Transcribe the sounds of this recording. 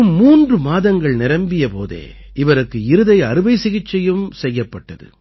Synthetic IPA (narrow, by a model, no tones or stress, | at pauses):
ɯmːuːndrɯmaːðɐŋɡɐɭnɪɾɐmbɪjɐpo̰ːðḛː | ɪʋɐɾɯkːɯɪɾɯðɐɪɐɾɯʋɐɪsɪɣɪt͡ʃːɐjɯmsɛjːɐpːɐʈːɐðɯ̰